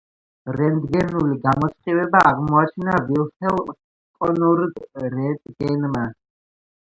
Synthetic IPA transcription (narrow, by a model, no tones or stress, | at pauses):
ɾɛnd̪ɡɛnuliɡamɔt̪sʼqʼivɛbaʔaʁmɔat͡ʃʰinavilsɛlˠ | kʼɔnɔɾɡɾɛd̪ɡɛnma